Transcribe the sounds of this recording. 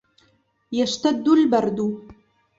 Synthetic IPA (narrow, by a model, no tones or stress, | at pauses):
jɐʂt̪ad̪ːulbɐrd̪u